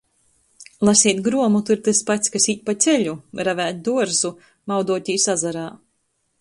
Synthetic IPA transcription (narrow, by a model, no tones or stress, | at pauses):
lˠasiɛt̪ɡɾuɔmut̪uɾt̪ɨspat̪skasiːt̪̚ʲpat̪sʲɛʎʲuɾavæːt̪̚d̪uɔɾzu | mawd̪uɔt̪ʲiːsazaɾaː